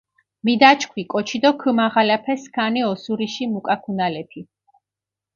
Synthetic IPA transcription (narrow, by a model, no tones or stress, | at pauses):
mid̪at͡ʃʰkʰwikʼɔt͡ʃʰid̪ɔkʰɨmaʁalɛpʰɛskʰaniɔsuɾiʃimukʼakʰunalɛpʰi